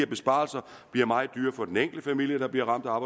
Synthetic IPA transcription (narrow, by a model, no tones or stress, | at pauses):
ɐb̥e̝sb̥ɑ̰̈ːlsɐ̥ | iɐmɑ̈ɪd̥yːɐfɒ̽d̥eneŋ̰ɡ̥ld̥əfæmil̰jəd̥ɑ̈b̥liɐ̰ʁɑ̈m̰d̥æɑ̈ːb̥ɑ